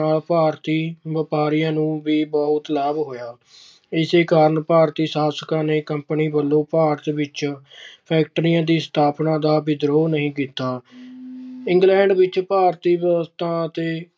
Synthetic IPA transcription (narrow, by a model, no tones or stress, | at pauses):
aːlpaːɾt̪iːʋəpaːɾɪjãːnũːʋiːbəɦʊt̪laːbɦoːjaː | ɪseːkaːɾənpaːɾt̪iːsaːsəkãːneːkəmpəniːbəlːõːpaːɾət̪ʋɪt͡ʃpʰɛːk̚ʈəɾɪjãːd̪iːst̪ʰaːpnãːd̪aːbɪd̪ɾoːnəɦĩːkiːt̪aː | ɪŋɡlɛ̃ːɳɖbɪt͡ʃpaːɾt̪iːbəst̪ãːt̪eː